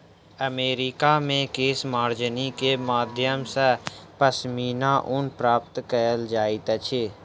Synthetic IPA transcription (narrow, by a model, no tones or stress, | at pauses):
əmeːɾiːkaːmẽkeːsmaːɾd͡ʒənikemaːd̪ʱjəmsəpəsmiːnaːʔʊnpɾaːpt̪kəɾəld͡ʒaːit̪ət͡ʃʰeː